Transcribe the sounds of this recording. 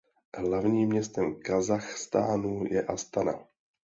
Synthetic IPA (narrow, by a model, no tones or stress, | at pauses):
ɦlavɲiːmːɲɛst̪ɛmkazaxst̪aːnujɛ̰ʔast̪ana̰